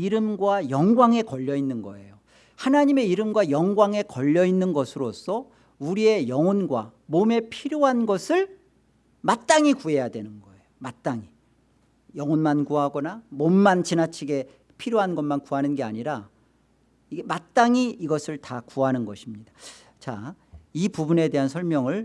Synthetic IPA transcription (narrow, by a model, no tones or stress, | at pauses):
iɾɯmɡwajʌŋɡwaŋe̞kʌʎːʌinːɯnɡʌ̰e̞̰jo | hanaɲime̞iɾɯmɡwajʌŋɡwaŋe̞kʌʎːʌinːɯnɡʌsʰɯɾosʰʌ | uɾie̞jʌŋʌnɡwamome̞pʰiɾjoɦanɡʌsʰɯɭ | mat͈aŋikue̞jadwe̞nɯnɡʌe̞jomat͈aŋi | jʌŋʌnmankuɦaɡʌnamonmant͡ɕinat͡ɕʰiɡe̞ | pʰiɾjoɦanɡʌnmankuɦanɯnɡe̞aɲiɾa | iɡemat͈aŋiːɡʌsʰɯɭtakuɦanɯnɡʌɕʰimɲidḁ | t͡ɕaipubune̞de̞ɦansʰʌɭmjʌŋɯɭ